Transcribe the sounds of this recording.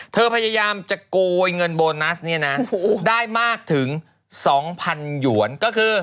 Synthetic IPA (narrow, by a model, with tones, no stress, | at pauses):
t̪ʰɤː˧pʰa˧ja˧jaː˧mt͡ɕa˨˩kuː˧jŋɤ˧nboː˧na˦˥sni˥˩ɐna˦˥daː˥˩jmaː˥˩k̚t̪ʰɯ˩˦ŋ | sɔː˩˦ŋpʰa˧nju˩˦ənkɔː˥˩kʰɯː˧